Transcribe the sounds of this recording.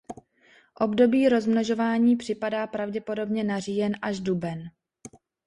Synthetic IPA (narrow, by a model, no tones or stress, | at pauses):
ʔo̞bdo̞biːɾo̞zmnoʒo̞vaːɲiːpr̝̥ɪpadaːpɾavɟɛpo̞do̞bɲɛnarijɛnʔaʒdubɛn